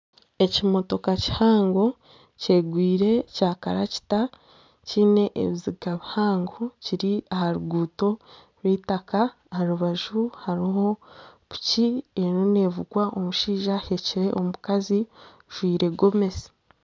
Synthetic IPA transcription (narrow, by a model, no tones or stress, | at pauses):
e̞cimo̞to̞kaci̥haːŋɡo̞ | ce̞ːɡwiːɾe̞caːkaɾa̰ci̥ta | ciːne̞ʔḛβiziɡaβihaːŋɡociɾiahaɾuɡuːto̞ | ɾwiːtaka | aɾuβaʒuhaɾiɦo̞βu̥cienone̞ːvuɡwaʔo̞muʃiːʒaheciɾe̞ʔomukazi | ʒ̥wiːɾe̞ɡo̞me̞si̥